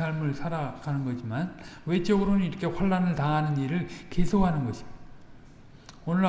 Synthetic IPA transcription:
aɭmɯɭsʰaɾakanɯnɡʌɕʰimanwe̞t͡ɕ͈ʌɡɯɾonɯniɾʌkʰe̞ɸwaɭːanɯɭtaɦanɯniɾɯɭkesʰokhanɯnɡʌɕʰi̥m | onɯɭ

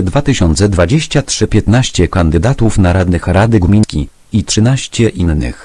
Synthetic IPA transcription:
d̪vat̪ɘɕɔnt̪sɛd̪vad͡ʑeɕt͡ɕatʂɘpʲjɛt̪naɕt͡ɕɛkand̪ɘd̪at̪ufnaɾad̪nɘxɾad̪ɘɡmʲiɲkʲḭ | itʂɘnaɕt͡ɕɛʔinːɘ̰x

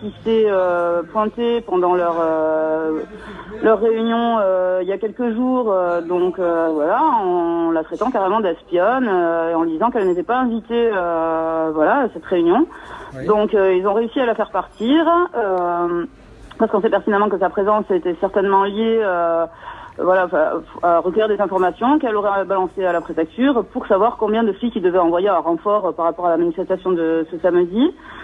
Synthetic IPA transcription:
kʲisɛøpwɛ̃t̪epɑ̃d̪ɑ̃lœʁø | lœʁːeynjɔ̃øiljakʲɛlkəʒuːʁød̪ɔ̃køvwalaɑ̃lat̪χɛt̪ɑ̃kaʁemɑ̃d̪ɛspjɔnøeɑ̃ld̪izɑ̃kɛlnet̪ɛpaɛ̃vit̪eøvwalasɛt̪ʁeynjɔ̃d̪ɔ̃køilzɔ̃ʁeysialafɛʁpaʁt̪ʰiʁø | paʁsəkɔ̃sɛpɛʁt̪inamɑ̃kəsapχezɑ̃set̪ɛsɛʁt̪ɛnmɑ̃ljeø | vwalaɑ̃fɛ̃aʁəkuvʁiʁd̪ezɛ̃fɔʁmasjɔ̃kɛloʁɛbalɑ̃sealapχefɛk̚t̪yʁpuʁsavwaʁkɔ̃bjɛ̃d̪əfijkʲild̪əvɛɑ̃vwajeɛ̃ʁɑ̃fɔʁøpaʁːapɔʁalamanifɛst̪asjɔ̃d̪əsəsamd̪i

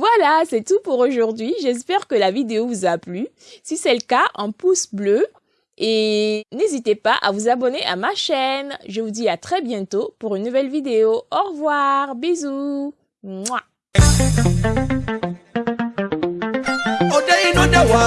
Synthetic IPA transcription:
vwalasɛt̪upuʁoʒuʁd̪ɥiʒɛs̬pɛʁkəlavid̪eovuzaply | sisɛləkaʔɛ̃pusblø | enezit̪epaʔa̰vuzabɔneʔamaʃɛnʒəvud̪iat̪χɛbjɛ̃t̪opuʁynːuvɛlvid̪eoɔʁvwaʁbizu | ŋ͡ǀwa | odainɔ̃d̪aa

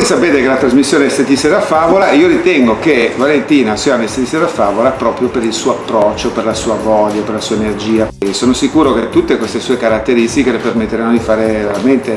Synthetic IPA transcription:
sapeːt̪ekelat̪ɾazmisːjoːneɛst̪et̪iseɾafaːvolaiːoɾit̪ɛŋɡokevalent̪iːnasianest̪et̪ist̪ed̪afaːvolapɾɔːpɾjopeɾilsuːoapːɾɔt͡ʃːoperlasuːavɔʎːaperlasuːaenerd͡ʒiːasoːnosikuːɾoket̪ːut̪ːekwest̪esuːekaɾat̪ːeɾist̪ikelepermet̪ːeɾanːod̪ifaːɾeveɾament̪e

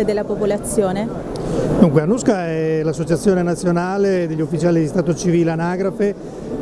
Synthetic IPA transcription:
ed̪elːapopolat̪sːjoːne | d̪uŋkweanuskaɛlasːot͡ʃat̪sːjoːnenat̪sːjonaːled̪eʎːufːit͡ʃaːlid̪ist̪aːt̪ot͡ʃiviːleanaːɡɾafe

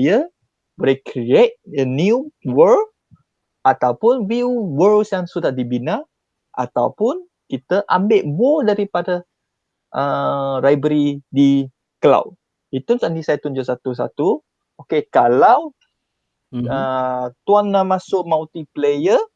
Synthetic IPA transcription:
jə | boɾekɾiet̚əniuwəl | ʔat̪awpʊnwiwəlsjaŋsudaʔdibinã | ʔa̰t̪a̰wpʊn | kit̪əʔambɪʔbɔdaɾipadə | ʔərajbəɾidi | kəla̰w | it̪unsanisajat̪und͡ʒasat̪us̬a̰t̪u | okekalaw | ət̪uanamãsʊk̚mawt̪iplejə

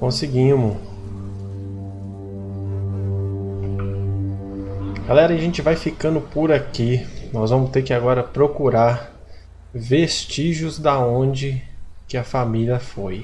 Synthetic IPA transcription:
kõsɪɡĩmʊ | ɡ̥alɛɾɐaʒẽt͡ʃɪvajfikɐ̃nd̪ʊpoɾakinɔzvɐ̃mʊst̪eɾkɪaɡɔɾɐpɾokuɾaɾ | vest͡ʃiʒʊzd̪aõd͡ʒɪkɪɐfamiliɐfoj

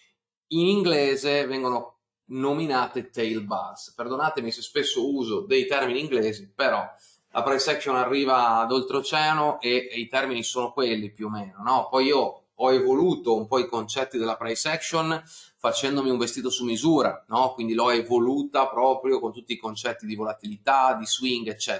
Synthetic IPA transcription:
iniŋɡlɛːzevɛŋɡono | nominaːt̪et̪ejlbasperd̪onaːt̪emisespesːouːzod̪ejt̪ɛrminiːŋɡlɛːzipeɾɔ | lʔapɾajsɛksonarːiːvaːd̪olt̪ɾot͡ʃɛːnoʔeit̪ɛrminisoːnokwelːipjuomeːnonɔpɔjiːo | ɔevoluːt̪oumpɔikont͡ʃɛt̪ːid̪elapɾajsɛksonfat͡ʃɛnd̪omiuɱvest̪iːt̪osumːizuːɾa̰nɔkwind̪ilɔɛevoluːt̪apɾɔːpɾjokont̪ut̪ːiːkont͡ʃɛt̪ːid̪ivolat̪ilit̪ad̪iswiŋɡet͡ʃːɛ

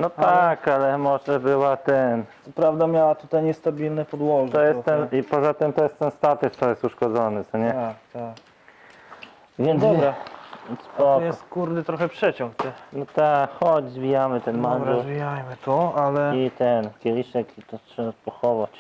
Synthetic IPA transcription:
nɔt̪akalɛmɔʐɛbɘwat̪ɛnt̪sɔpɾavd̪amʲjawat̪ut̪ajɲɛst̪abʲilnɛpɔd̪wɔɡtʲt̪ɔjɛst̪ːɛnipɔzat̪ɘmt̪ɔjɛst̪ɛnst̪at̪ɛkt̪ɔjɛst̪uʂkɔd̪zɔnɘt̪sɔɲɛakt̪ak | vʲjɛnd̪ɾaspɔkjɛɔst̪kuɾd̪ɘt̪ɾɔxɛpʂɛt͡ɕɔ̃ŋkt̪ɛnɔt̪akxɔd͡ʑzvʲijamɘt̪ɛnmanɛzvʲijajmɘt̪ɔalɛit̪ɛnkʲɛlʲiʂɛkit̪ɔtʂɛbapɔxɔvat͡ɕ

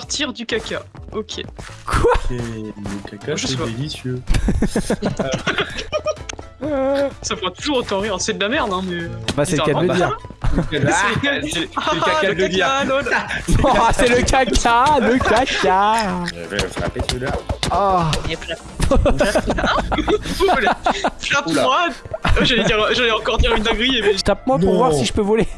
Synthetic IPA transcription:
sɔʁt̪ʰiʁd̪ykʲakʲaokʲʰḛkʰwasɛləkakaʒsɛvelisjø | safəʁat̪uʒuʁot̪ɑ̃ʁiʁsɛd̪əlamɛʁnɛ̃mɛbasiɛlkad̪ləiʁ | sɛlkakaəd̪inoɔ̃sɛləkʲʰakʰaləkaka̰vɛ̰sa̰pet̪laapla | lplaplwad̪ɛʒəleiʁʒəlɛɑ̃kɔʁd̪iʁynd̪ɔɡʁijemɛət̪ap̚mwapuʁvwaʁssiʒəpøvɔle

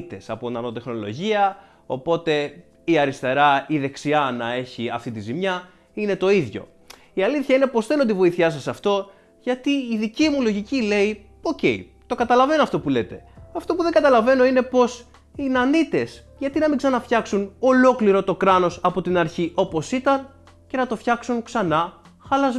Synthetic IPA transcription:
t̪e̞sɐ̰pot̪inɐno̞t̪e̞xno̞lo̞̰ʝiɐ | o̞̰po̞t̪e̞ | iɐɾist̪e̞ɾɐiðe̞ksiɐnɐe̞çiɐft̪it̪izimɲɐ | ine̞t̪o̞iðʝo̞̰ | iɐliθçɐine̞po̞sθe̞not̪ivo̞iθçɐsɐsɐft̪o̞ | ʝɐt̪iːðicimulo̞ʝicile̞i | oce̞̰i | t̪o̞kɐt̪ɐlɐve̞noɐft̪o̞pule̞t̪e̞ɐft̪o̞puðeŋɡɐt̪ɐlɐve̞no̞ine̞po̞s | inɐnit̪e̞sʝɐt̪inɐmiɡzɐnɐfçɐksuno̞lo̞kliɾo̞t̪o̞kɾɐno̞sɐpo̞t̪inɐɾçiʔo̞po̞sit̪ɐn | ce̞nɐt̪o̞fçɐksunksɐnɐ | xɐlɐz

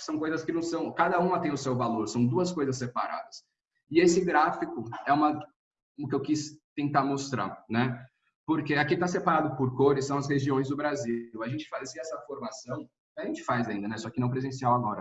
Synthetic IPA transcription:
sɐ̃w̃kojzɐskɪnɐ̃w̃sɐ̃w̃kad̪ɐũmɐt̪ẽj̃ʊsewvaloɾsɐ̃w̃d̪uɐskojzɐs̬ːepaɾa̰d̪ɐs | ɪesɪɡɾafikʊɛũmɐ | ʊkɪewkist̪ẽnt̪aɾmost̪ɾa̰ɾnɛ | poɾkeakĩɪt̪asepaɾad̪ʊpoɾkoɾɪsɐ̃w̃ɐsheʒiõj̃zd̪ʊbɾaziwɐʒẽnt͡ʃɪ̥fazsiɛsɐfoɾmasɐ̃w̃ | kɪaʒẽnt͡ʃɪ̥fajzaĩnd̪ɐnɛsɔkɪnɐ̃w̃pɾezẽsiawaɡɔɾɐ

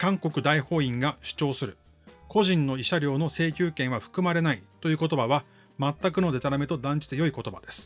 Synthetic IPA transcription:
kãŋko̞kɯ̟d̪aiho̞ːĩŋɡaɕi̥t͡ɕo̞ːsɨɾɯ̟ | ko̞ʑĩnːo̞iɕaɾʲjo̞ːno̞se̞ːkʲɨːkẽ̞ɰ̃β̞aɸɯ̟̥kɯ̟maɾe̞nait̪o̞jɯ̟ːko̞t̪o̞baβa | mat̪ːakɯno̞d̪e̞t̪aɾame̞t̪o̞d̪ãɲ̟d͡ʑi̥t̪ejo̞iko̞t̪o̞ba̰d̪e̞sɨ̥

